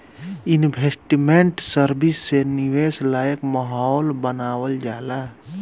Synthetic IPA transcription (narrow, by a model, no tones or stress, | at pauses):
inbʱesʈimeɳʈsəɾbisːeniʋeslajəkməɦɔːlbənaːwəld͡ʒaːla